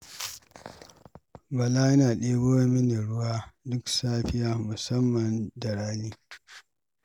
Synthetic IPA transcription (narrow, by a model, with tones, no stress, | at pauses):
bɐ˨laː˦jɐ˦naː˨ɗeː˦boː˦mɪ˦na˨ɽʊ˦waː˦dʊ˦ksaː˦ɸɪ˦jaː˦mʊ˨sɐ˦mːɐ˨ndɐ˨ɽaː˦liː˦